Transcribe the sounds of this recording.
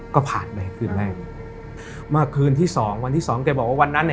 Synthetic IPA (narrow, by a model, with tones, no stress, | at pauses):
kɔː˥˩pʰaː˨˩npa˧hkʰɯː˧˩nlɛː˥˩˧ | maː˥˩kʰːɯː˧nt̪ʰiː˥˩sɔː˩˦ŋwa˧nt̪iː˥˩sɔː˩˦ŋkaː˧˩bɔː˨˩k̚waː˥˩wa˧nːa˦˥nːɛ˧˩